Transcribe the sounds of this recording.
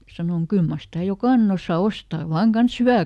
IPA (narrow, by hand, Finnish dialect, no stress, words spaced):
sɑnoŋ kyl mɑr sitæˑ jokɑˑnen osːɑ ostɑː ʋɑːŋ kɑns hyʋæˑ